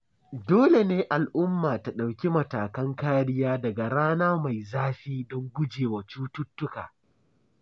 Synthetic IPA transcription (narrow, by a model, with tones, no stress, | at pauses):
doː˦le˨neː˦ʔa˨lʔʊ˦mːaː˨ta˨ɗa˨wkʲi˦mɐ˨taː˨kɐ˦ŋkaː˦ɽɪ˦jaː˦dɐ˨ɡa˨ɽaː˦naː˦ma˨jzaː˦ɸiː˦dɔ˦ŋɡʷʊ˦d͡ʒeː˨wa˨t͡ʃuː˦tʊ˦tːʊ˦ka̰ː˨